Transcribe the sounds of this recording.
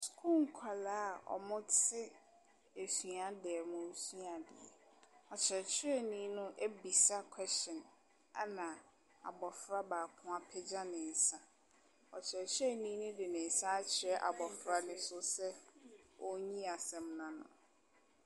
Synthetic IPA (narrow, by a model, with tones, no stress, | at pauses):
skʰu˦ŋ̩˨kʰa˨laː˦˨ɔ̰˨mʊ̃˦t͡sʰɪ˦ | e˨sɥa˦dɛː˨mʊ̃˨˦su˦a˨dɪ̰˨ɛ̰˨ɔ˨t͡ɕʰɾɛ˨t͡ɕʰɪ˦ɛ˦nĩ˨˦nʊ̃˦ʔe˦bi˨sa˦kʰwɛ˦st͡ɕɔ̃˨n | a˦nã˨ | a̰˨bɔ˨fɾa˦baː˨kʰʊ̃˦a˦pʰɛ˦d͡ʑa˦nɪ̃˨n̩˨sa˦ | ɔ˨t͡ɕʰɪ˨ɛ˨t͡ɕʰɪ˦ɛ˦nĩː˦nʊ̃˦dɪ˨nɪ̃˨˦sa˦a˦t͡ɕʰɪ˨ɾɛ˦ʔa̰˨bɔ˨fɾa˦nɪ̃˦sʊ˦sɛ˦ | ɔ˦ɲĩ˦a˨sɛ̃˨mnã˨nʊ̰̃˨